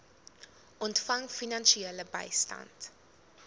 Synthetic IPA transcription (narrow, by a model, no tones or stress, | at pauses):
ʔɔntfɐŋfinɐnʃieːləbɐ̰jstɐ̰nt